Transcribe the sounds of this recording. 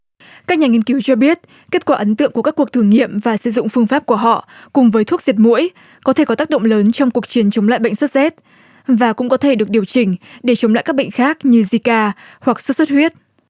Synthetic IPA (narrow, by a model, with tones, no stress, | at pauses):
kaː˦˥k̚ɲaː˨˩ŋi˧nki˨˦wt͡ɕɔ˧ɓi˦˥ət̚ | ke˦˥t̚kwaː˧˩ʔə˨˦nt̪ɨ̰˧əŋku˧˩əkaː˦˥kːu˨˩ək̚t̪ʰəŋːḭ˧˨əmvaː˨˩sɨ˧˩zʊ̰˧˨ŋ͡mfɨ˧əŋfaː˦˥p̚ku˧˩əɦɔ̰˧˨kʊ˨˩ŋ͡mvəː˨˦jt̪ʰu˦˥k̚zi˨˩ət̚mṵ˧˥əj | kɔ˨˦t̪ʰe˧˩kɔ˨˦aː˦˥k̚ɗə̰˧˨wŋ͡mləː˨˦nt͡ɕɔ˧wŋ͡mku˨˩ək̚t͡ɕi˨˦ənt͡ɕə˨˦ŋ͡mla̰ː˧˨jɓə̰˧˨ŋswə˦˥t̚zɛ˦˥t̚ | vaː˨˩kʊ̰˧˥ŋ͡mkɔ˨˦t̪ʰe˧˩ɗɨ˨˩ək̚ɗi˨˩wt͡ɕï˧˩ŋ̟ɗe˧˩t͡ɕə˨˦wŋ͡mla̰˧˨ka˦˥ɓə̰˧˨ŋ̟xaː˦˥k̚ɲɨ˧zi˧kaː˧ | hwa˨˩k̚sə˦˥t̚swə˦˥t̚hwi˦˥ət̚